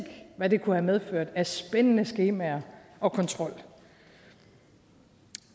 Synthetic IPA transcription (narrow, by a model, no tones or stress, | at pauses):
ɡ̥ʋæd̥e̝kʰuhæmeð̞ˠføɐ̰d̥æsb̥enənəsɡ̥e̝ːmæɐʔɒ̽kʰɒ̽nt͡sʰʁɒ̽l̰